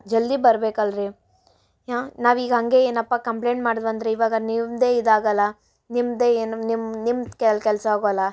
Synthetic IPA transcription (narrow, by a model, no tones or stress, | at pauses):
d͡ʒɐlːibɐɾbeːkɐlɾi | aːnaːʋiːɡɐɦɐŋɡe̞eːnɐpːakɐmpleːɳʈmaːɽd̪ʋɐnd̪ɾeiʋaːɡɐnimd̪eːid̪aːɡɐlːɐ | nimd̪eːeːnnimnimd̪kɛlkɛlsɐɦaːɡoːlːɐ